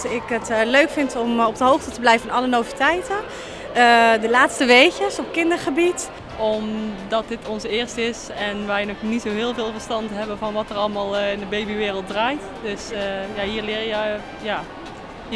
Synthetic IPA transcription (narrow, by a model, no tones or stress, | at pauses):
tɪkətløɥkfɪntɔmɔb̚dəɦowχtətəblɛjvəɪnɑlənovitɛjtə | ədəlaːtstəʋejkəsɔpkɪndəɹχəbit | ɔmdɑt̚dɪtɔnzəɪːɹstɪs | ɛnʋɛjnoχnitsowɦɪːlˠvɪːlˠvəɹstɑntɦɛbəvɑnʋɑtərɑlˠəmaːlˠɪndəbejbiʋɪːrəlˠt̚draːjt | dɵsəjaɦiːɹlɪːɹjjə | jaː